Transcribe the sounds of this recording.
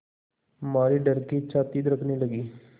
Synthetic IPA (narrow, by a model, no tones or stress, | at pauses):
maːɾiːɖəɾkit͡ʃʰaːt̪iːd̪əɾəkʰniːləɡiː